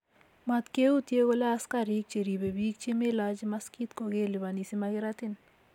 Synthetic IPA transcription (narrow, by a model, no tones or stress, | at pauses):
mat̪keut̪ieɡolaaskaɾik̚t͡ʃeɾibebiːk̚t͡ʃemelad͡ʒmaskit̪koɡeliβanisimaɡiɾat̪in